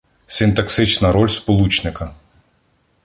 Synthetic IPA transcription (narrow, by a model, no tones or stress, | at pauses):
sʲɪnt̪ɐksɪt͡ʃnɐɾɔlʲspɔlˠut͡ʃnɪkɐ